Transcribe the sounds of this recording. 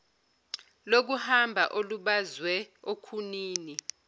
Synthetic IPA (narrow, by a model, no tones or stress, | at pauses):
lok̬uhambʱa̰ʔoluɓazwɛokʰuniːni